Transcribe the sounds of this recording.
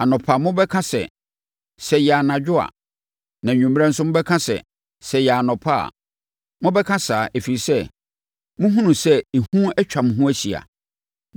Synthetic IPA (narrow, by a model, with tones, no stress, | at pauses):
a˨nɔ̃˨pʰa˨mʊ̃˦bɛ˦kʰã˦sɛ̰˨ | sɛ˨jɛ˨a˨nã˨d͡ʑᶣʊ˦a̰˨ | nã˨ɲᶣũ˨m˦ɛ̃˦n̩˦sʊ˦mʊ̃˦bɛ˦kʰã˦sɛ̰˨ | sɛ˨jɛ˨a˨nɔ̃˨pʰa˦a̰˨ | mʊ̃˦bɛ˦kʰã˦saː˨ʔe˨fi˨ɾi˨sɛ˦ | mʊ̃˦ɦũ˦nũ˨sɛ˦e˨hũ˦ɛ˦t͡ɕᶣa˨mʊ̃˨ɦũ˦æ˦ɕi˨a̰˨